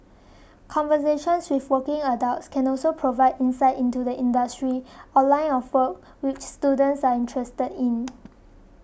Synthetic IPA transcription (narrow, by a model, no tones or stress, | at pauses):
kʰɔ̃nvəseʃə̃nswifwəkɪ̃ŋədaʊtskʰɛ̃nɔlsopʰɹovaɪdĩnsaɪtĩntudəʔĩndəstɹiɔlãɪ̃nɔfwək̚ | wɪt͡ʃstudə̃ntsaĩntʰɹɛstədĩn